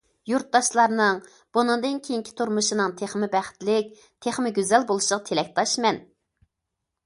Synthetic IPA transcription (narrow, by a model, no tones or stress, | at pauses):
juɾt̪̚d̪ɑʃlˠɑɾnɨŋ | b̥unɨŋd̪ɨnkʲʰejiŋkʲʰi̥t̪ʰuɾmuʃinɨŋt̪ʰeχmɪbæχɪ̥t̪lɪk̚ʲ | t̪ʰeχmɪɡʲyzɛlbolˠuʃəʁɑt̪ʰelɛk̚ʲt̪ʰɑʃmɛn